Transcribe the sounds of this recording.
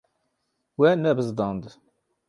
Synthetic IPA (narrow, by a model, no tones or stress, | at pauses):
wænːæbəzd̪ˤɑnd̪